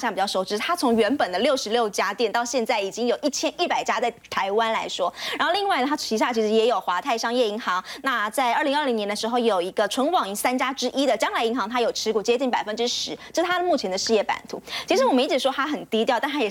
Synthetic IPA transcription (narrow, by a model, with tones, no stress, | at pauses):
ɕa˥˩pi˨˩t͡ɕjɑ˥˩ʂo˧˥˩ʊʈ͡ʂɻ̩˧˥t̪ʰa˥t͡sʰʊ˧˥ŋɥɛ˧˥npə˨˩nd̪ə˦ljo˥˩ʊʂɻ̩˧˥ljo˥˩ʊt͡ɕja˥t̪jɛ˥˩nt̪ɑ˥˧ʊɕjɛ˥˧nt͡sa˥˩ɪi˨˩t͡ɕi˥ŋjo˨˩ʊʔi˥˩t͡ɕʰjɛ˥nnʔi˥˩pa˨˩ɪt͡ɕja˥t͡sa˥˩ɪt̪ʰa˧˥ɪwa˥nla˧˥ɪʂwɔ˥ɻa˧˥nxli˥˧ŋwa˥˩ɪnə˩a˥˩t͡ɕʰi˧˥ɕ̬ja˥˩t͡ɕʰi˧˥ʂ̬ɻ̩˧˥jɛ˧˥jo˨˩ʊxwa˧˥t̪ʰa˥˩ɪʂɑ˥˧ŋjɛ˥˩i˧˥ŋxɑ˧˥ŋna˥˧t͡sa˥˧ɪə˞˥˩li˧˥ŋə˞˥˩li˧˥ŋnjɛ˧nd̪ə˧ʂɻ̩˧˥xo˥˧ʊjo˨˩ʊi˧˥ɡə˧ʈ͡ʂʰwə˧˥nwɑ˨˩ŋi˧˥sa˥nt͡ɕja˥ʈ͡ʂɻ̩˥ʔi˥d̪ə˨t͡ɕjɑ˥ŋla˧˥ɪi˧˥ŋxɑ˧˥ŋt̪ʰa˥jo˨˩ʊʈ͡ʂʰɻ̩˧˥ku˨˩t͡ɕjɛ˥t͡ɕi˥˩ŋpa˨˩ɪfə˥nʈ͡ʂɻ̩˥ʂɻ̩˧˥t͡ɕə˥˩ʂt̪ʰa˥d̪ə˨mu˥˩t͡ɕʰjɛ˧˥nd̪ə˧ʂɻ̩˧jɛ˥˩pa̰˨˩nt̪ʰu˧˥t͡ɕʰi˧˥ʂɻ̩˧˥wɔ˨˩ə˥i˧˥ʈ͡ʂɻ̩˨˩ʂɔ˥t̪ʰa˥xə˨˩nt̪i˥t̪jʊt̪nt̪ʰa˥jɛ˨˩